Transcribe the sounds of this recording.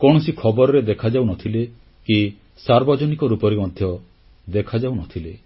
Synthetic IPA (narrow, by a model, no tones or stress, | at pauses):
kɔɽ̃ɔsikʰɔbɔɾɔɾed̪ekʰad͡ʒawnɔt̪ʰile | ki | saɾbɔd͡ʒɔnikɔɾupɔɾimɔd̪ʱjɔ | d̪ekʰad͡ʒauwnɔt̪ʰile